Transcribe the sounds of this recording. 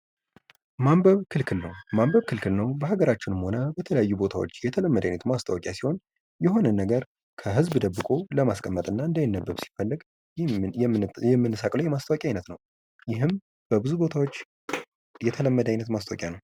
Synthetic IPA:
mambəβkʰɨlkʰɨlnəwmambəβkʰɨlkʰɨlnəwbəhaɡəɾat͡ʃːɪnɨmho̞nəbət̪ʰələjajːubo̞t̪ʰawo̞̰t͡ʃːjɛt̪ʰələmːəd̪ajnət̪mast̪ʰʼawɔkʼjasi̥ho̞n | jɛho̞nənːəɡəɾ | kʰəɦɨzbd̪əbːɨkʼo̞ləmaskʼəmːət̪ʼɨnːaɨnd̪əjɪnːəbːəβsi̥fəlːɨɡ | ɛmːɨnːɨsakʼləwjɛmast̪ʰawɔkʼjajnət̪nəw | jɪɦɨm | b̥əbɨzubo̞t̪ʰawo̞t͡ʃː | jɛt̪ʰələmːəd̪ajnət̪mast̪ʰʼawkʼjanəw

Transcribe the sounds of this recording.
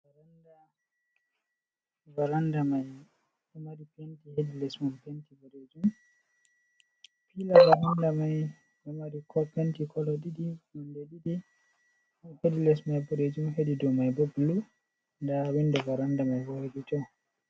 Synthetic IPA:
vaɾanda | vaɾandamaj | ɛmaɾipentihedilɛsmumpentiboɾed͡ʒum | pilavaɾandamaj | dɔmaɾikʰɔpentikʰɔlɔɗiɗimɔndɛɗidi | hedilɛsmajboɾed͡ʒumhedidɔmajboblu | ndawindɛvaɾandamajbɔɾeditɔ

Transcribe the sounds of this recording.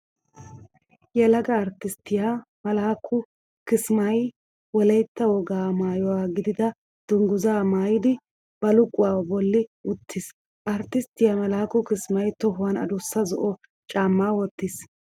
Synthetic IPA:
jɛlɐɡɐːɾt̪ːɪst̪ɪjamɐlaːkʰʊ | kɪsmɐj | wɔlɐjt̪ːɐwɔɡaːmaːjɔwaːɡɪd̪ɪd̪ɐ | d̪̥ʊŋɡʊzaːmaːjɪd̪ɪ | b̥ɐlʊkʼːʊwaːbɔlːɪʊt̪ʰːɪs | ʔɐɾt̪ːɪst̪ɪjamɐlaːkʊkɪsmɐjt̪ɔɦʊwanɐ̰d̪ʊsːɐzɔʔɔ | t͡ʃʼaːmːaːwɔt̪ːɪs

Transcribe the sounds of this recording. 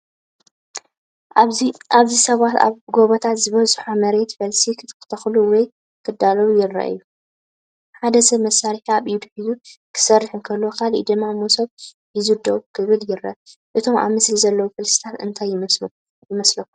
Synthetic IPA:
aβzisɐβat̪ʰa̰βɡo̞βɐt̪ʰat̪zɨβɐzħomɐɾe̞t̪fɐlsikɨkʰɨ̥t̪ʰɐxluwɔj | kʰɨd̪ːalɐwujɪrːɐ̰ʔɨ̰jːu | ħad̪ɐsɐβmɐsːaɾħiaβjɪd̪ħizukʰɨ̥sɐrːɨħɨnkʰɐlːokʰalḭd̪ɨmːamosɐβ | jɪzɨd̪oβkʰɨβɨljɪɾɐ̰ʔɨt̪ʰo̞mʔa̰mɨslizɐlːɐwufɨlsi̥t̪ʰat̪ɨnt̪ʰajːm | jɪmɐslɐkːu

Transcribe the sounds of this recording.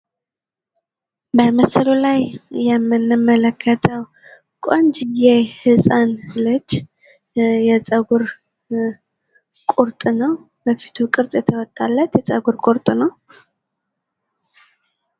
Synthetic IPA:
bəməslulajːɛmːɨnːɨmːələkʰːət̪ʰəw | kʼond͡ʒɪɡejhɨsʼanlɨd͡ʒ | jɛt͡sʼəɡuɾ | kʼuɾt̪ʼnəw | bəfi̥t̪ʰukʼɨɾtʼjɛt̪ʰəwɔt̪ʼːalːət̪jɛt͡sʼəɡuɾkʼuɾt̪ʼnəw

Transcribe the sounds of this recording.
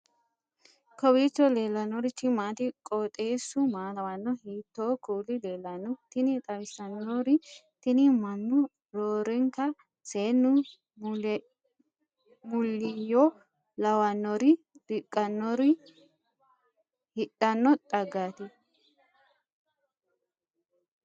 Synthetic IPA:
kɔwiːt͡ʃːɔle̞ːlːɐnːɔɾɪt͡ʃːɪmaːt̪ɪkʼɔt̪ʼeːsʊmaːwɐnːɔhiːt̪ːoːkuːlɪleːlɐnːʊt̪ɪnɪt̪ʼɐwɪsɐnːɔɾɪ | t̪ɪnɪmɐnːʊ | ɾoːɾɛŋkɐ | seːnːʊ | mʊlːɪjɔ | lɐwɐnːɔɾɪ | d̪̥ɪkʼːɐnːɔɾɪ | hɪᶑɐnːɔt̪ʼɐɡaːt̪ɪ

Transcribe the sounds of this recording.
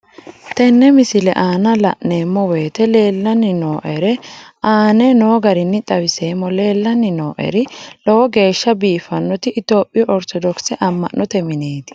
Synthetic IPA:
t̪ɛnːɛmɪsɪlɛʔaːnɐlɐ̰ʔne̞ːmːɔweːt̪ɛle̞ːlːɐnːɪnoːʔɛɾɛaːnenoːɡɐɾɪnːɪt̪ʼɐwɪse̞ːmːɔle̞ːlːɐnːɪno̞ːʔɛ̰ɾɪlɔwɔɡe̞ːʃːɐbiːfɐnːɔt̪ɪʔɪt̪o̞ːpʼːɪɔʔɔɾt̪ɔd̪ɔksɛʔɐmːɐ̰nːɔt̪ɛmɪneːt̪ɪ̥

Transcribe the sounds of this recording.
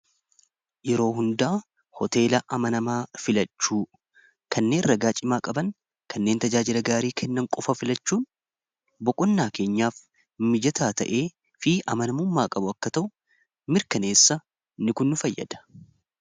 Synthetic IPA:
jɛɾo̞ːɦʊnd̪aː | hɔt̪e̞ːlɐʔɐmɐnɐmaːfɪlɐt͡ʃːuː | kʰɐnːe̞ːnrɐɡaːt͡ʃʼɪmaːkʼɐbɐŋ | kʰɐnːe̞ːnt̪ɐd͡ʒaːd͡ʒɪlɐɡaːɾiːkʰɛnːɐŋkʼɔfɐfɪlɐt͡ʃːuːn | bɔkʼɔnːaːke̞ːɲːaːf | mɪd͡ʒɐt̪ʰaːt̪ɐʔeː | fɪʔɐmɐnɐmʊmːaːkʼɐbʊɐkːɐt̪ɐʔʊ | mɪɾkɐne̞ːsːɐ | nɪkʊnːʊfɐjːɐ̰d̪̥ɐ̥

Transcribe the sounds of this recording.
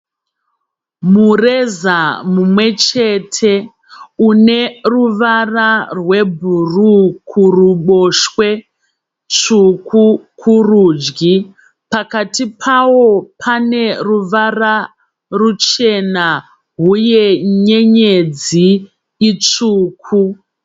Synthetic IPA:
mure̞zamumwe̞t͡ʃe̞tʰe̞ | une̞ruʋararwe̞bʱurukʰuruɓoʃwe̞ | t͡ʂukʰukʰuruːd͡ʒɡi | pakatipʰawo̞pʰane̞ruʋara | rut͡ʃe̞na | ɦujeɲeɲed͡zi | it͡ʂuːkʰu

